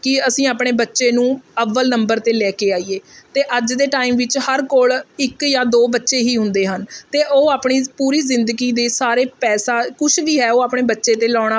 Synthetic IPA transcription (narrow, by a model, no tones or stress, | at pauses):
kɪəsĩːaːpɽeːbətːʃeːnũːəʋːəlnəmbəɾt̪eːlɛːkeːaːiːeːt̪eːʔəd͡ʒd̪eːʈaːimʋɪt͡ʃhəɾkoːlɪkjaːd̪oːbətːʃeːɦiːɦʊ̃nd̪eːɦənt̪eːʔoːaːpɳiːpuːɾiːzɪnd̪əɡiːd̪eːsaːɾeːpɛːsaːkʊʃʰʋiːɦɛːoːaːpɳeːbətːʃeːt̪eːlɔːɽ̃aː